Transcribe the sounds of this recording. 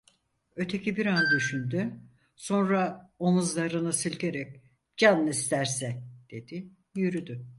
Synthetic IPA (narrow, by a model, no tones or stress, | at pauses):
ø̞t̪ʰe̞cibiɾand̪yʃynd̪y | so̞nɾaonuzlˠaɾɯnasɯlʲɟʲeɾɛc | d͡ʒanːist̪ʰæɾsɛd̪̥e̞d̪̥i | jyɾyd̪y